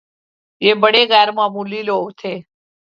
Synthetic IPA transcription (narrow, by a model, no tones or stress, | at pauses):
jeːbəɽeːɡaːɾmãːmuːliːloːʋt̪ʰeː